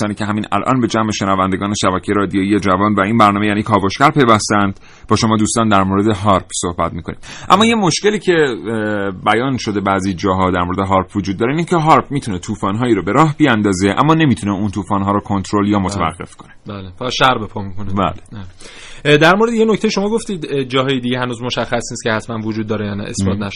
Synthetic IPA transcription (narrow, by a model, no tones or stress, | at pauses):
ɒːniːcʰeɦæmiːnʔæ̰lʔɒ̰nbe̞d͡ʒæmeʃe̞nævænd̪eɡɒːneʃæbæcʰejeɾɒːd̪ijoijed͡ʒævɒːnvæiːnbæɾnɒːmejæːniːkʰɒːboʃcæɾpʰe̞jvæst̪ænd̪̥ | b̥ɒːʃo̞mɒːd̪uːst̪ɒːnd̪æɾmoɾed̪eɦɒɾpʰso̞hbæt̪̚miːkʰo̞nḭːmʔæ̰mːɒːje̞mo̞ʃceliːcʰe̞ | bæjɒːnʃo̞d̪e̞bæzid͡ʒɒːɦɒd̪æɾmoɾe̞d̪eɦɒːɾpvod͡ʒud̪ːɒːɾeinicʰeɦɒɾpʰmiːt̪ʰunet̪ʰuːfɒːnɦɒːjiːɾɔːbe̞ɾɒːɦbiænd̪ɒːzeʔæ̰mːɒːne̞miːt̪ʰuneunt̪ʰuːfɒːnɦɒːɾɔkʰo̞nt̪ʰɾoljɒːmot̪evæ̰ɡːe̞fkʰo̞nebælpɒʃæɾbepʰɒmikʰonibæ̰le | d̪æɾmoɾed̪ejenoct̪ʰejeʃo̞mɒːɡoft̪iːd̪d͡ʒɒːɦɒːjed̪iɟeɦænuːzmoʃæxːæsniːst̪̚cʰehæt̪ʰmænvod͡ʒud̪ːɒːɾejɒnæ̰ʔḛsfɒːnæʃ